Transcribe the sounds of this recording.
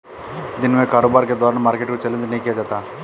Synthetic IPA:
d̪inmeːkaːɾoːbaːɾked̪ɔːɾɐɳɐmaːɾkeʈkut͡ʃɐlːind̪uneːkijad̪at̪a

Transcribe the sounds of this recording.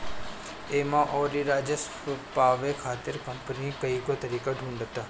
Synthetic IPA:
eːmãʔɔːɾiɾaːd͡ʒəs | paːʋekʰaːt̪ɪɾkɐmpənikɐiːkot̪ɐɾiːkaɖʱũːɳɖət̪aː

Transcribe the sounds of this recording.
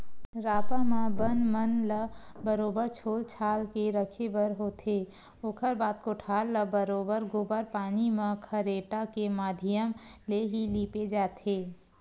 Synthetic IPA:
ɾaːpamãbənmənləbəɾoːbəɾt͡ʃʰoːlt͡ʃʰaːlkeɾəkʰebəɾɦoːt̪ʰe | oːkʰəɾbaːt̪koʈʰaːlːəbəɾoːbəɾɡoːbəɾpaːnimãkʰəɾeːʈakemaːd̪ʱɪjəmleɦiliːped͡ʒaːt̪ʰeː

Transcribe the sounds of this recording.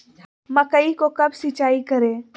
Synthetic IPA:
mɐkəikokɐbsɪt͡ʃaːikɐɾẽː

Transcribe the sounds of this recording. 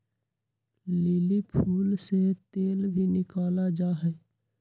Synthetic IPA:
lɪlipʰuːlset̪eːlbʱinɪkaːlad͡ʒaːɦɛː

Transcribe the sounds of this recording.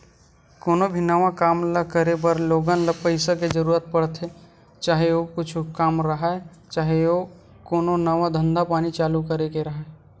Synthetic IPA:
koːnobʱinɐʋãkaːmləkəɾebəɾloːɡanlɐpəɪsaked͡ʒɐɾuːɾət̪̚pɐɽt̪ʰe | t͡ʃaːɦeokʊt͡ʃʰkaːmɾɐɦa | t͡ʃaːɦeo | koːnonɐʋãd̪ʱə̃nd̪ʱapaːnit͡ʃaːlukəɾekeɾɐɦaː

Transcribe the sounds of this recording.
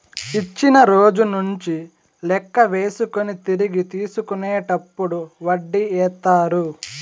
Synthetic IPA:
it͡ʃːinɐɾo̞ːd͡ʒunuɲt͡ʃi | lɛkːɐʋe̞ːsukonit̪iɾiɡit̪iːsukunɛːʈɐpːuɽuʋɐɖːiɛːt̪aːɾu

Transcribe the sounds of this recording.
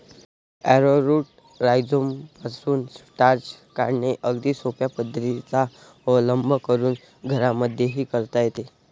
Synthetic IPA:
æɾoɾuːʈ̚ | ɾajd͡zompasuːnsʈaɾd͡ʑkaɾɳeʔəɡd̪iːsopjapəd̪ʱəɾit͡sa | ələmbʱəkəɾuːn | ɡʱəɾaməd̪ʱjeɦiːkəɾt̪ajet̪e

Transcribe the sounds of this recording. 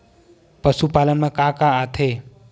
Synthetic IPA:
pəsupaːlənmãkãkaːt̪ʰe

